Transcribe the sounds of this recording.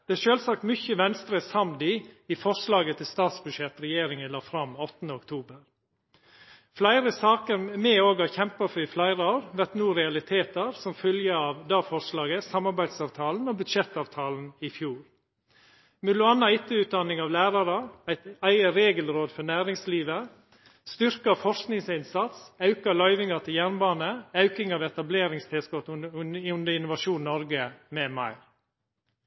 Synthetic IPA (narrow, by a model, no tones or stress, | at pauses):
d̪̥ɛæʂøːlsɑkt̪mʏçəʋɛnst̪ɾəsɑmd̪ɪɪfɔʂlɑːɡət̪ʰɪlst̪ɑːt̪sbʉd̪ʂjɛt̪ɾɛjeːɾɪŋənlɑːfɾɑmɔt̪ːənd̪əɔkt̪ʰuːbəɾ | flæɪɾəsɑːkəɾmɛːoːɡhɑçɛmpɑfɾɪflæɪɾəɑɾʋæʈnuːɾɛɑlɪt̪ʰeːt̪əɾsɔmfœljəɑʋd̪ɑːfɔʂlɑːɡəsɑmɑɾbæɪd̪sɑːʋt̪ʰɑːln̩ɔːbʉd̪ʂɛt̪ːɑːʋt̪ʰɑːln̩ɪfjuːɾ | mɛlʊɑnːɑɪt̪ːəʉːt̪̚d̪ɑnɪŋɑːʋlæːɾɑɾəæɪt̪æɪəɾeːɡəlɾoːd̪fɔnæːɾɪŋsliːʋə | st̪ʏɾkɑfɔɾʂknɪŋsɪnsɑt̪sɑʉkɑlɑʏʋɪŋɑt̪ʰɪljænbɑːnəɑʉkɪŋɑːʋɛt̪ɑbleːɾɪŋst̪ʰeːskɔt̪ʉnd̪əɪnʊʋɑʃuːnnɔɾɡəmɛːmɑ̰ɪɾ